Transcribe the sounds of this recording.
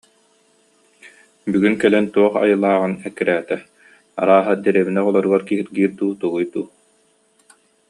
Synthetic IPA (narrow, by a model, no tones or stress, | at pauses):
byɡynkɛlɛnt̪uɔχa̰jɯlˠaːʁɯnɛkːiɾæːt̪ɛ | a̰ɾaːɦad̪ɛɾɛβinɛʁɔlˠɔɾɯɡaɾkiɦit̪ɡiːɾd̪uːt̪uɡujt̪uː